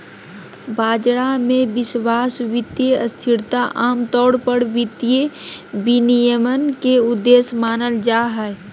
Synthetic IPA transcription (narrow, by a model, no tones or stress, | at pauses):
baːd͡ʒɽamẽbɪswaːsʋɪt̪jeəst̪ʰɪɾt̪aʔaːmt̪ɔːɽpəɽʋɪt̪ijebinijəmənkeʊd̪ːeːsmaːnəld͡ʒaːɦɛ